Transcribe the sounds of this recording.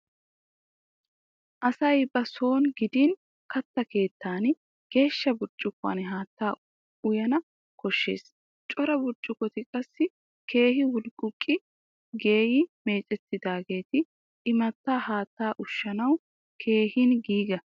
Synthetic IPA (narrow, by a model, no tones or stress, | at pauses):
ʔɐsɐjbɐso̞ːnɡɪd̪iːn | kɐt̪ːɐke̞ːt̪ːaːn | ɡ̥e̞ːʃːɐbʊɾt͡ʃʼːʊkːʊa̰ːnɦaːt̪ːaː | ʊjɐnɐ | kɔʃːḛːs | t͡ʃʼɔɾɐbʊɾt͡ʃʼːɪkɔt̪ɪkʼɐsːɪ | kʰe̞ːɦɪwʊlkʼʊkʼːɪ | ɡe̞ːjɪme̞ːt͡ʃʼɛt̪ːɪd̪aːɡe̞ːt̪ɪ | ɪmɐt̪ːaːhaːt̪ːaːʔʊʃːɐnɐw | kʰe̞ːhinɡiːɡɐ